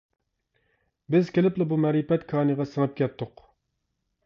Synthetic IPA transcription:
bɪzkʲelɪplɪbumɛɾipɛt̪kʰɑːnɨʁɑsəŋɨp̚kʲɛt̪ʰːʊq

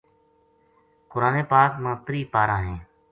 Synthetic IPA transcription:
kʊɾaːneːpaːkmãːt̪ɾiːpaːɾãːɦẽː

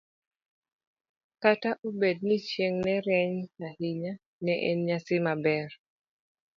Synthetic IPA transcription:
kataʔobed̚nit͡ʃjeŋnɛɾɛɲahiɲa | nɛʔɛ̰nɲasɪmabɛr

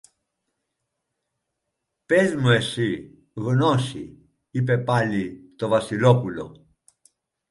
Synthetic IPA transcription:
pezmuesi | ɣonɔsḭ | ip̬epalit̪ovasilopulo̰

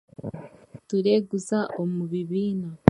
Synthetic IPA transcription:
tuɾe̞ɡuzaʔomuβiβiːna

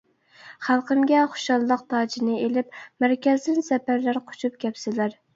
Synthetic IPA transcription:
χælˠqəmɡʲɛχo̥ʃɑlˠlˠəq̚t̪ʰɑːd͡ʒinɨelɪp̚mæɾkʲɛzd̪ɪnsɛpæɾlæɾqʰo̥t͡ʃʰup̚kʲʰɛpsɪlæɾ

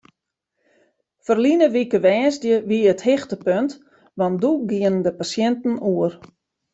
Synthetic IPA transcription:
fərlinəʋikəʋɛːzdjəʋiəthɪxtəpønt | ʋanduɡiənəndəpasjɛntn̩uər

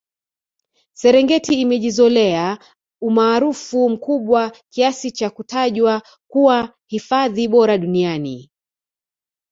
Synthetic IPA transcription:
sɛɾɛŋɡɛtiːmɛʄizɔlɛa | umaːɾufum̩kuɓwakiasit͡ʃakutʰaʄwa | kuwa | hifaðiɓɔɾaɗuniani

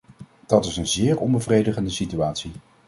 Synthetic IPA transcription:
d̥ɑtɪsənzɪːɹɔmbəvrejdəχəndəsityaːtsi

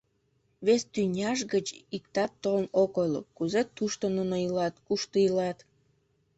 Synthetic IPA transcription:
βest̪ynʲɑʃɡət͡ɕik̚t̪ɑt̪ːolnokojlo̰kuzet̪uʃt̪onunojilɑt̪kuʃt̪əilɑt̪

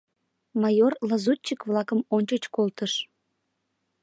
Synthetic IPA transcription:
mɑjorlɑzut͡ɕːəkβlɑkəmonʲt͡ɕət͡ɕkolˠt̪əʃ

